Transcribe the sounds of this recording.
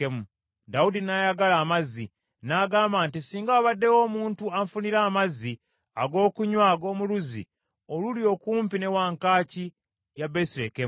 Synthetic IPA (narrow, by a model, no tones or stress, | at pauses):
emu | daudinajaɡalaːmazi | naɡaːmbaːntisiːŋɡaːβadːe̞wo̞ːmuːntuaɱfuniɾaːmazi | aɡo̞ːkuɲwaɡo̞ːmuluzḭ | olulijo̞kuːmpine̞waŋkaːci | jabesiɾekem